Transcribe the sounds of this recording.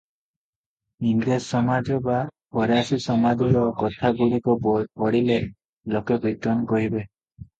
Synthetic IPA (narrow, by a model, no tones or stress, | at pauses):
iŋɡɾesːɔmad͡ʒɔba | pɔɾasisɔmad͡ʒɔɾɔkɔt̪ʰaɡuɽikɔbɔɽile | lokjɔkɾit̪ɔnkɔɦibe